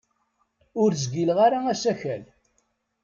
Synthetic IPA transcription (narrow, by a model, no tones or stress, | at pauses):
ʊɾzɡilʁaɾaæsæçæl